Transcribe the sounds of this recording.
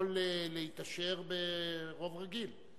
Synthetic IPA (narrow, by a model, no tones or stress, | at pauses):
leleit̪aʃeʁbeʁo̞vʁaɡil